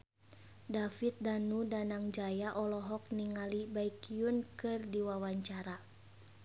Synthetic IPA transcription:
dafit̪̚danudanaŋd͡ʒajaʔɔlɔɦɔk̚niŋalibaikiunkɨrdiwawaɲt͡ʃaɾa

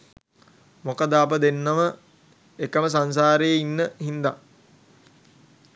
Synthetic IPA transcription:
mokəd̪aːp̬əd̪enːəmə | ekəməs̬ans̬aːɾəjeinːəhind̪a̰

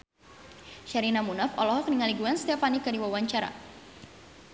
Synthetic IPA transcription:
ʃaɾinamunafɔ̰lɔɦɔkniŋaliɡuansə̥t̪iapanikadiwawaɲt͡ʃaɾa̰

